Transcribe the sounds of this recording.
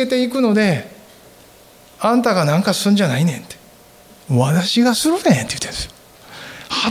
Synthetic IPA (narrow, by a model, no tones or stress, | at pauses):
e̞t̪e̞ikɯ̟no̞d̪e̞ | ãnt̪aɡanãŋkasɨ̃ɲ̟d͡ʑanainẽ̞nt̪e̥ | βat̪aɕiɡasɨɾɯ̟nẽnt̪ejɯ̟t̪ːend̪̥sɨo | ha